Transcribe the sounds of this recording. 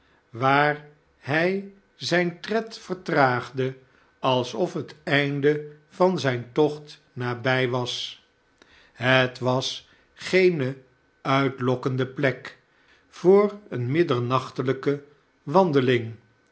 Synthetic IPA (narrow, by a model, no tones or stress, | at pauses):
ʋaːɹ | ɦɛj | zɛjntrɛtfəɹtraːχdə | ɑlˠsɔfɦətɛjndə | v̥ɑnzɛjntɔχt | naːbɛjʋɑs | ɦətʋɑs | χejnə | œɥtlɔkəndəplɛk | v̥ʊːrənmɪdəɹnɑχtələkə | ʋɑndəlɪŋ